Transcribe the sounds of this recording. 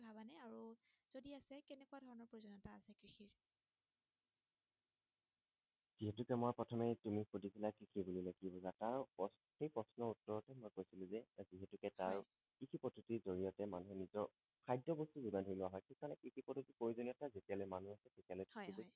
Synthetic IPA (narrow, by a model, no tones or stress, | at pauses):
bʱabanaaɹuz̥odiasɛkɛnɛkuwadʱɔɹɔnɔɹpoizɔnɔtaːsɛkɹixʰiɹ | z̥iɦɛtʊkɛmojpɹɔtʰɔmɛtumixudipilakɹixʰibulilaɡibɔzataɹpɔ | xejpɹɔsnɔutːɔɹɔtɛmojkojsilʊ̃zɛziɦɛtukɛtaɹ | kikʰipɔtʰutizoɹijɔtɛmanuɦɛnizɔ | kʰajdɔbɔstuzudadʱoɹilɔaɦɔjkʰikaɹnɛkikʰipɔtutikoɹizoniɔtazetijalojmanuasɛtetialojtibu